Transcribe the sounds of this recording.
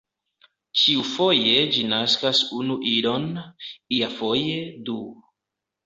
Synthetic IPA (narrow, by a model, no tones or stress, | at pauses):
t͡ʃiufo̞je̞d͡ʒinaskasunuʔiɾo̞niafo̞jedu